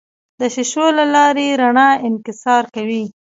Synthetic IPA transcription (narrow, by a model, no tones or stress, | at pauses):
d̪əʃɪʃolalɑɾeɾaɳɑɪnkɪsɑɾkawi